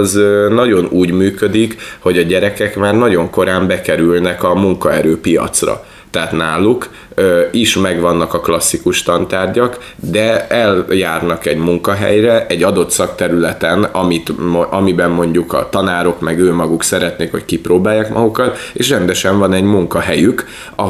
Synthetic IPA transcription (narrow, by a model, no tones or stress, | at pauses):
zønɒɟo̞nuːɟmyːkød̪ikho̞ɟɒɟɛɾɛkɛkmaːrnɒɟo̞ŋko̞ɾaːmbɛkɛɾylnɛkɒmuŋkɒɛɾøːpijɒ̰t̪srɒ̰ | t̪ɛːt̪naːlːuk | øiʃmɛɡʋɒnːɒkɒklɒsːikuʃt̪ɒnt̪aːrɟɒk | d̪ɛɛljaːrnɒkɛɟmuŋkɒɦɛ̰jrɛʔɛɟːɒd̪o̞t̪sɒkt̪ɛɾylɛt̪ɛnɒmit̪mʔɒmibɛmːo̞ɲɟukɒ̰t̪ɒnaːɾo̞kmɛɡøːmɒɡuksɛɾɛt̪neːkho̞̰ckiproːbaːjːaːkmʔɒ̰ɡukɒt̪ḛːʃrɛnd̪ɛʃɛɱvɒnɛɟmuŋkɒɦɛjyk | ɒ